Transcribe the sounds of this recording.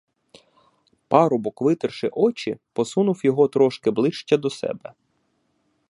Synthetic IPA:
pɑɾɔbɔkʋɪt̪ɪrʃɪʔɔt͡ʃipɔsunʊwjɔɦɔt̪ɾɔʃkɪblˠɪʃt͡ʃʲɐd̪ɔsɛ̰bɛ

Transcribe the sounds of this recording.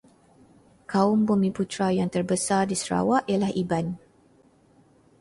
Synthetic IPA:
kaʊmbumĩput̪ɾajaŋt̪ərbəsardisəɾa̰waʔjalahiban

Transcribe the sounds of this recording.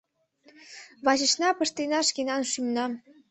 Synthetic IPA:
βɑʑə̆ɕnɑpə̆ʃt̪enɑʃkenɑnʃymnɑ

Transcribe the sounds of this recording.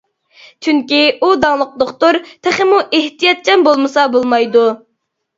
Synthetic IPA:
t͡ʃʰyŋkʲiud̪ɑŋlˠʊq̚d̪oqt̪oɾt̪ʰæχɪmuʔeht̪ijɑt̪̚t͡ʃʰɛnbolˠmɨsɑbolˠmɑjd̪u

